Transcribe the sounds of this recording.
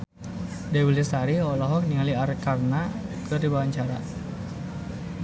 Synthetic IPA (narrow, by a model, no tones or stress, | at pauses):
dewilisaɾiɔlɔɦɔk̚niŋaliarkarnakədibawaɲt͡ʃaɾa